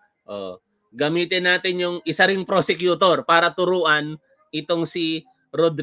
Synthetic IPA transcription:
ʔo̰ | ɡɐmiːt̪ɪnːaːt̪ɪnjʊŋʔɪsaɾɪŋpɾosɛkjʊt̪oɾpaːɾɐt̪ʊɾuːʔɐn | ʔɪt̪oŋsi | ɾod̪ɾ

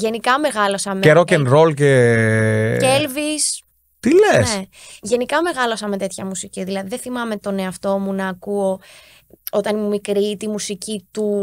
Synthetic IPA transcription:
ʝe̞nikɐme̞ɣɐlo̞sɐmeeɾocenɾolce | elvis | t̪ilense | ʝe̞nikɐme̞ɣɐlo̞sɐmet̪e̞t̪çɐmusiciðilɐðiðeθimɐme̞t̪o̞ne̞ɐft̪o̞munɐːkuo | o̞t̪ɐnimumikɾit̪imusicit̪u

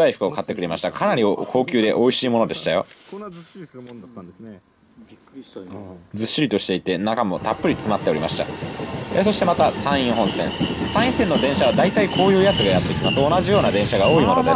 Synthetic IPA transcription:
aiɸɯ̟kɯ̟okʰat̪ːe̞kɯ̟ɾe̞maɕi̥t̪akʰanaɾʲiokʰo̞ːkʲɨːd̪e̞ʔo̞iɕiːmo̞no̞d̪e̞ɕi̥t̪ajo̞̰ | d͡zɨɕːiɾʲit̪o̞ɕi̥t̪e̞it̪e̞nakamo̞t̪apːɯ̟ɾʲit͡sɨmat̪ːe̞oɾima̰ɕi̥t̪a̰eso̞ɕit̪emat̪asãɰ̃ĩɰ̃ɦõ̞ɰ̃sẽ̞ŋsãɰ̃ĩsenːo̞bẽ̞ɰ̃ɕaβad̪ait̪aikʰo̞ːjɯ̟ːjat͡sɨɡajat̪ːe̞kʲimasoːnaʑijo̞ːnabẽ̞ɰ̃ɕaɡao̞ːimo̞nod̪e

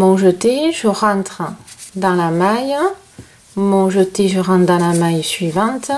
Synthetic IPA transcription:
mɔ̃ʒət̪eʒəʁɑ̃t̪χəd̪ɑ̃lamajə | mɔ̃ʒət̪eʒəʁɑ̃t̪d̪ɑ̃lamajsɥivɑ̃t̪

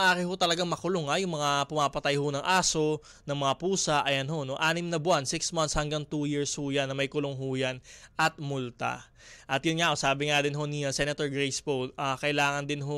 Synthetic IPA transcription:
ʔaːɾɪɦot̪ɐlɐɡaŋmɐkʊloŋajʊŋmɐŋapʊmaːpɐt̪ɐjhonɐŋʔaːso̞ | nɐŋmɐŋapuːsɐʔɐjɐnɦo̞no̞ʔaːnɪmnɐbʊansɪksmɐnshɐŋɡaŋt̪ujɪɹshʊjanːɐmɐjkʊloŋɦʊjanʔɐt̪̚mʊlt̪ɐ̰ | ʔɐt̪jʊnŋaʔosaːbɪŋad̪ɪnɦo̞nisɛnɐt̪oɹɡɹɛjspoʔakɐʔɪlaːŋɐnd̪ɪnɦo

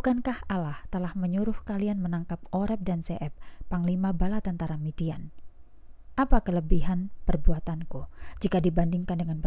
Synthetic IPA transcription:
ukankahalaht̪əlahməɲuɾʊhkalianmənaŋkap̚oɾɛp̚danseʔɛp̚ːaŋlimabalat̪ənt̪aɾamidian | ʔapakələbiɦanpərbuat̪ankud͡ʒikadibandɪŋkandəŋanbə

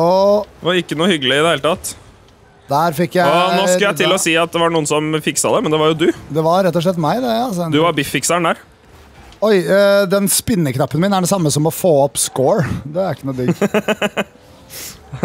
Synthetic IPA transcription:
ɔʋɑɾɪkːənuːhʏɡəl̩ɪɪd̪ɛheːlət̪ʰɑt̪ː | d̪̥æːɾfɪkːjænoːskləjæɪllɔsiːɑt̪̚d̪ɛʋɑɾɳuːənsɔmfɪksɑd̪ɛmɛnd̪ɛʋɑɾjʊd̪ʉd̪ɛʋɑɾɾɛt̪ːɔʂ̬ɭɛt̪̬ːmæɪd̪ɛɑsd̪ʉʋɑɾbɪfːɪksæɳd̪æɾ | ɔɪd̪ɛnspɪnːəknɑpːənmɪnæɖɛsɑmːəsɔmɔfoːɔpːskoːɹd̪ɛæɾɪkːənuːd̪ɪɡ

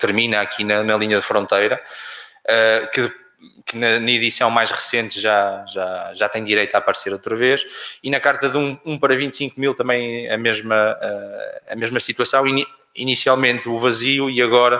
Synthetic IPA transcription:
t̪ɨɾminɐɐkʰinɐnɐlˠiɲɐðɨfɾõnt̪ɐjɾɐ | ɛkɨ | kɨnɐnɐiðisɐ̃w̃majʃʁɨsẽnt̪ʒaʒaʒat̪ɐ̃j̃d̪iɾejt̪apɐɾseɾowt̪ɾɐveʃinɐkaɾt̪ɐðũũpɐɾɐvĩnt̪sĩŋkumilˠt̪ɐ̃mbɐ̃j̃ɐmeʒmɐɛɐ̰meʒmɐsit̪wɐsɐ̃w̃i | inisialˠmẽnt̪uvɐziuiɐɣɔɾɐ

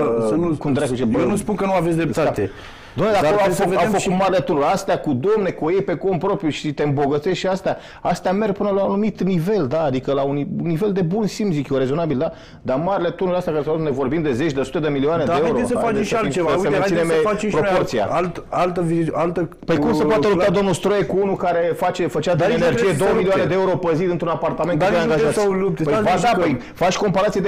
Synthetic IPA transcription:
nukumd̪ɾakt͡ʃebjenuspunkənuavet̪sʲd̪ɾept̪at̪e | d̪omned̪aoloafəvedaefəkut̪maɾelet̪unuɾʲast̪eakud̪omne̞kuojejpe̞ko̞mpɾo̞pɾjuʃit̪eɨmbo̞ɡət̪seʃt̪ʃiast̪ea | ast̪eame̞rɡpɨnəlaunumit̪nive̞ld̪aːd̪ikəlauniunːive̞ld̪e̞bunsimzikʲjoɾe̞zo̞nabild̪a | d̪amaɾile̞t̪unuɾast̪jakaɾesaat̪und̪evo̞rbimd̪e̞zet͡ʃʲd̪esu̥t̪e̞d̪emilioaned̪aeeuɾoesəfat͡ʃeʃaleaessemẽinemfat͡ʃepɾo̞port̪sia̰alt̪alt̪əviialt̪ə | pəjkumsəpoaelupt̪ad̪o̞mnulst̪ɾojekuunukaɾe̞fat͡ʃe̞fət͡ʃad̪ienerd͡ʒijed̪owəmilioaned̪eeuɾo̞pəzid̪ɨnt̪ɾunapart̪amenaeaŋɡaʒaslup̚t̪epəjfad̪aəj | fat͡ʃʲko̞mpaɾat̪sijed̪

